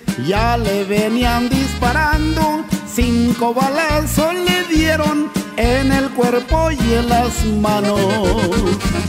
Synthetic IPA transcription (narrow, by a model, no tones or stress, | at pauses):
jaleβeniand̪ispaɾand̪osiŋkoβalesoleðjeɾonenelkweɾpojelasmano | s